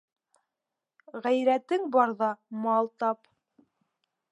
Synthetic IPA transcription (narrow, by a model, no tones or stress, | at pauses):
ʁæjɾæt̪ɘŋbɑɾðɑmɑlˠt̪ɑp